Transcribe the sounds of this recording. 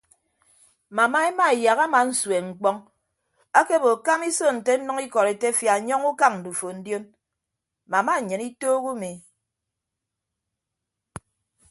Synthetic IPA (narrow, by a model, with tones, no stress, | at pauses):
ma˨ma˦e˦ma˦e˨ja˨ɣa˦ma˨n̩˦swe˨ŋ͡m̩˨k͡pɔ˦ŋ | a˦ke˦bo˨ka˦mi˦so˦˨n̩˨te˦n̩˦nɔ˦ŋi˦kɔ˨ɾe˨te˦fja˨ɲɔ˦ŋu˦ka˦ŋn̩˨du˨fo˨n̩˦djo˦n | ma˨ma˦˨ɲɨ˨ni˦toː˦ɣu˦mi˨